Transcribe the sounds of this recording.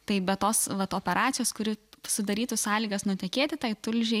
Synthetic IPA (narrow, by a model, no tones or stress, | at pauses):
t̪ɐɪbʲɛtt̪oːsʋɐt̪oːpʲɛɾʔɑːtt͡sʲsʲɪjoːskʊɾʲɪsʊd̪ɐɾʲiːt̪usɑːlʲiːɡɐsnʊt̪ʲɛkʲeːt̪ʲɪt̪ɐɪt̪ʊlʲʒʲɛɪ